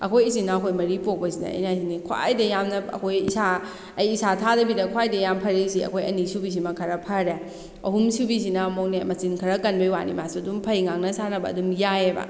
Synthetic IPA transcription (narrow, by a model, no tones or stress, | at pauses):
ɐ̰kʰojis̬inɐːkʰojmɐɾipok̚pɐsinɐ̰ɐ̰jnasinikʰwa̰jdɐjamnɐɐ̰kʰojḭsa | ɐjisatʰadɐbidɐkʰwajdɐjampʰɐɾisiɐ̰kʰojɐnisubis̬imɐkʰɐɾɐpʰɐɾe | ɐ̰humsubisinɐmownemɐsinkʰɐɾɐkɐnbejwa̰nḭmasadumpʰɐjŋaŋnɐsanɐbɐ̰ɐ̰dumjajebɐ̰